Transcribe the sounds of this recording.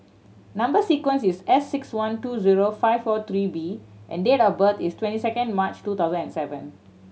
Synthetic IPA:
nãmbəsikwə̃nsisɛsːɪkswãntuziɹofaɪvfɔt̪ɹibiʔɛ̰̃ndetɔbət̪istwɛ̃ntisɛkə̃nmat͡ʃtut̪aʊzə̃nɛ̃nsɛvə̰̃n

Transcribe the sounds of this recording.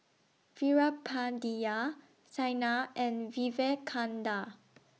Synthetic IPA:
fiɹapʰːadia | t͡ʃajnaɛ̃nvivekʰãnda

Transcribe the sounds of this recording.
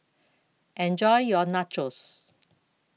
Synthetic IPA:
ʔɛ̃nd͡ʒɔjjɔnat͡ʃɹəs

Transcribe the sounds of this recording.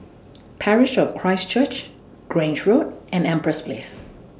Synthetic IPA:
pʰɛɹɪʃɔv̥kʰɹ̥aɪst͡ʃʰət͡ʃ | ɡ̥ɹẽnd͡ʒɹodɛ̃nɛ̃mpɹəspʰlḛs

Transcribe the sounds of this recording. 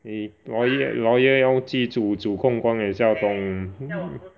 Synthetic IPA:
ilɔjelɔjɛjaʊt͡ɕit͡sut͡suːkʰʊŋkwaneɕjat̪ʊŋ

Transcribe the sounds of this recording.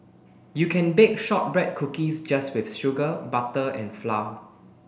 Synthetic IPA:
jukʰɛ̃nbek̚ʃɔt̚bɹɛd̚kʰukisd͡ʒaswɪfʃʊɡəbatəɛ̰̃nflaw

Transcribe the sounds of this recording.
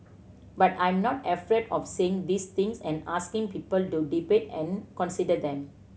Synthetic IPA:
batãj̃mnɔtɛfɾɛdɔfseɪ̃ŋd̪ist̪ĩŋsɛ̃naskĩŋpipəltudipetɛ̃nkɔ̃nsidəd̪ɛ̃m

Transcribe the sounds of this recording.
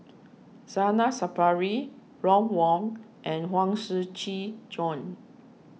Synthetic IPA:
sanasapaɹi | ɹɔ̃mwɔ̃ŋ | ʔɛ̃nhwãŋsət͡ʃid͡ʒɔ̃n

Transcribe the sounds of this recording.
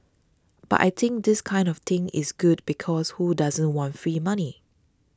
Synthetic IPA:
b̥a̰tʔa̰jt̪ʰɪ̃ŋk̚dɪskʰãɪ̃ndɔft̪ɪ̃ŋɪ̰sɡud̚bikʰɔshudazə̃nwɔ̃ntfɹimani

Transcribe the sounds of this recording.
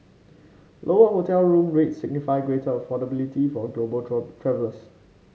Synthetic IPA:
lʔoəɦotɛlɹũmɹetsɪɡ̚nifaɪɡɹetəəfɔdəbilitifɔɡlobəltʰɹɛvələs

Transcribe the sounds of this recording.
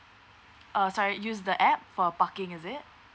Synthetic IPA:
ʔʌsɔɹijusdəʔɛp̚fɔpakɪ̃ŋɪzɪt̚

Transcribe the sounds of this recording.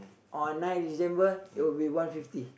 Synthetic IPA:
ʔɔ̃nnãj̃ndisɛ̃mbəitwilbiwãnfifti

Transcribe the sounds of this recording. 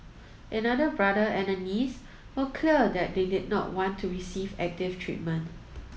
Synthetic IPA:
ʔənadəbɹadəɛ̃nənis | wɔkʰliədɛt̚dedɪd̚nɔ̰twɔ̃ntʰːuɹisivɛ̰k̚tɪftʰɹḭt̚mə̃nt

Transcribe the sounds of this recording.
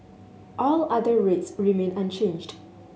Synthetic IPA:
ʔɔlad̪əɹetsɹimẽnãnt͡ʃẽnd͡ʒd

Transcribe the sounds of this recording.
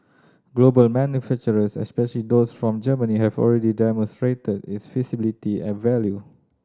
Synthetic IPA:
ɡlobəlmɛ̃njufɛk̚t͡ʃəɹəsɛ̰spɛʃəlidosfɹɔ̃md͡ʒəməniɦɛvɔ̰lɹɛdidɛmɔ̃nstɹetədɪtsfisibilitiɛ̰̃nvɛlju

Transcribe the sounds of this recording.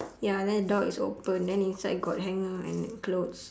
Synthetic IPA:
jadɛ̃ndədɔkiso̰pə̃ndɛ̃nĩnsaɪɡɔt̚ɦɛ̃ŋəɛ̰̃nklots

